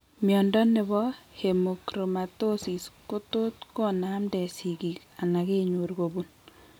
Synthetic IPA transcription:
mjɔndɔ˦ne˨βɔ˦he˨mo˨kɾo˨matosi˨sko˦to˦tko˦na˦mdɛ˨siki˨k | a˨na˨ke˦ɲo˨ɾɡobun

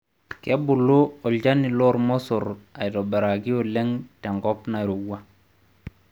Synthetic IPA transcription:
kɛ˦bu˨lo˦ɔ˨lɟa˦ni˨lɔ˦ɾmɔ˦sɔ˨ɾa˨jdɔ˨be˨ɾa˨ɡi˦o˨lɛ˦ŋtɛ˨ŋɡɔ˦pna˨ɾu˨ɡa˦

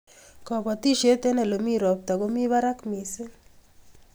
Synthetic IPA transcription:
kɔ˨pɔ˨t̪i˦ʃe˦t̪e˦nɛ˨lo˨mi˦ɾɔ˨p̚t̪a˨ɡo˦mi˦βa˦ɾa˦kmi˨se˦

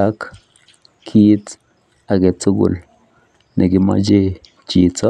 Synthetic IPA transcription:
a˦k | kʰːi˦t | a˨ɡe˨t͡su˦ɡṵ˨l | ne˨ɡi˨ma̰˦d͡ʒe˦ | t͡ʃi˨t͡sɔ˦

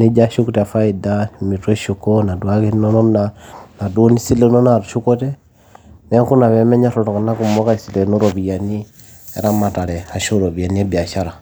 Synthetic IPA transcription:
nɛ˦d͡ʒa˦ʃu˦ku˦ta˨fa˦idami˨twɛ˦ʃukɔna˨dwaki˦nɔnɔ˦nana˨du˦ni˦si˦lɛ˨nɔ˦nauʃu˦kɔ˦tɛ˦ | nɛ˦ŋku˦na˨βɛ˦mɛ˦ɲa˦ɾɔɾɔ˨ka˨na˦ku˨mɔ˦ka˦i˨si˨lɛ˨nu˦ɾɔβi˨ja˨ni˦ | ɛ̰˨ɾa˦ma˨ta˨lɛ˨a˨ʃo˦ɾɔ˨βi˨a˨niɛ˦bi˨a˨ʃa˦ɾa˨

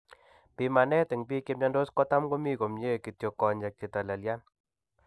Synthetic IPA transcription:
pi˧ma˨nɛ˦te˨ŋpi˦ke˧mɲa˧ndo˦skɔ˦ta˦mko˦mi˦ko˨mɲe˦ki˨tjo˨kːɔ˨ɲd͡ʒa˨k̚t͡ʃe˨ta˨la˨lja˦n

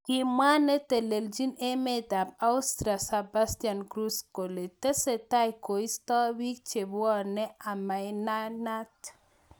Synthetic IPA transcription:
ki˨mwa˦ne˦t̪e˨le˨ld͡ʒi˦ne˦med̪a˨p̚a˦ust̪ɾa˨saba˦st̪ija˨nɡɾu˦sko˨le˨t̪e˦se˨ta˦jko˨ist̪ɔ˦wi˦k̚t͡ʃe˨bɔ˦ne˦ʔa˨ma˨jnana˦t

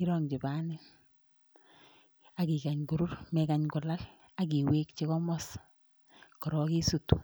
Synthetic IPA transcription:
ki˦ɾɔŋd͡ʒɪ˨ba˦nɪ˦n | aki˨ka˨ɲku˨ɾu˦ɾmɛkaɲkʊ˨la˦l | ak̬i˨weː˦k̚t͡ʃekɔ˦mɔs | kɔ˨ɾɔ˨ki˦sutu

